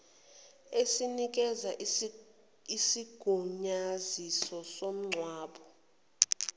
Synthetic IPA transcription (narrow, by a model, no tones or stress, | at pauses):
esinik̬ʼɛzaʔ | isiɡ̥ʱuɲazisɔsom̩ŋ͡ǀʱwaːɓɔ